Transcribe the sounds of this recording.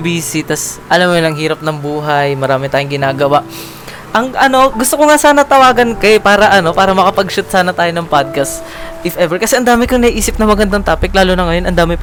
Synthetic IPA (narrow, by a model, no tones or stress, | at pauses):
biːsɪt̪ɐsʔɐlamːolɐŋɦiːɾɐp̚nɐŋbuːɦɐjmɐɾaːmɪt̪aːjʊŋɡɪnaːɡɐwaʔ | ʔɐŋʔɐno̞ɡʊst̪okoŋasaːnɐt̪ɐwaːɡɐnkɐpaːɾɐʔɐno̞paːɾɐmɐkɐpɐɡʃʊt̪̚saːnɐt̪aːjonɐŋpad̪̚kɐst̪ | ʔɪfʔɛvɛɹkɐsɛʔɐnd̪aːmɪkɐŋnɐiʔiːsɪp̚nɐmɐɡɐnd̪ɐŋt̪aːpɪk̚laːlonɐŋɐjo̞nʔɐnd̪aːmɪ